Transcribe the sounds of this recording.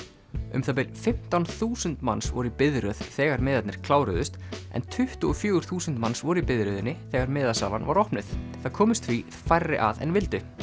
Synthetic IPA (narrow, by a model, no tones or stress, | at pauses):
ʏ̰mθap̬ɪlfɪm̥t̪awnθuːsʏnt̪mansvɔɾʏipɪðɾœð̥θɛːɣaɾmɪːðat̪nɪɾ̥kʰlaːwɾʏðʏst̪ɛ̰nt̪ʰʏht̪ʏɔfjœːɣʏɾ̥θuːsʏnt̪mansvɔɾʏipɪðɾœðɪnːɪθɛːɣaɾmɪːðasa̰ːvanva̰ɾɔhpnɪθθaðkʰɔːmɪst̪fvi | fajrːɪ̰ʔa̰ðɛ̰nvɪlt̪ʏ